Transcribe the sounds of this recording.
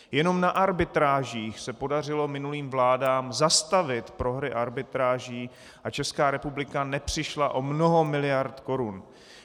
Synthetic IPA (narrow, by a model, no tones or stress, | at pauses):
jɛno̞mnaʔaɾbɪt̪ɾaːʒiːxsɛpo̞dar̝ɪlo̞mɪnuliːmvlaːdaːmzast̪avɪt̪pɾo̞ɦɾɪʔaɾbɪt̪ɾaːʒiː | ʔat͡ʃɛskaːɾɛpublɪkanɛpr̝̥ɪʃlaʔo̞mno̞ɦo̞mɪlɪjaɾt̪ko̞ɾun